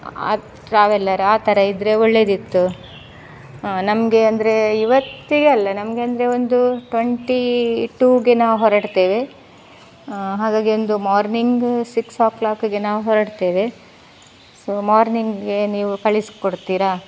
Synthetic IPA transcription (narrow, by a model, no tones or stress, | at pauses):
a̰ | ʈɾaːʋɛlːɐɾuaːt̪ɐɾɐid̪ɾeoɭːeːd̪it̪ːu | nɐmɡe̞ɐnd̪ɐɾe̞iʋɐt̪ːiɡeɐlːɐnɐmɐɡeɐnd̪ɐɾe̞ond̪uʈʋɐɳʈiʈuːɡe̞naːʋɦɔɾɐɽt̪eːʋe | ɦaːɡaːɡio̞nd̪umaːɾniŋɡsiksaːklaːkɡe̞naːʋuɦɔɾɐɽt̪eːʋe̞ | soːmaːɾniŋɡɡe̞niːʋukɐɭiskoɽt̪iːɾa